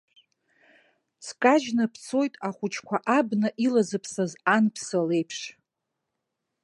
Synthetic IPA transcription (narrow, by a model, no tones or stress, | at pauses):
t͡sʰkʼaʒnɨpʰt͡sʰo̞jtʼaχʷʊt͡ʃʰkʷʰaʔabnɨʔilazɨpʰsazanpʰsale̞jpʰʂ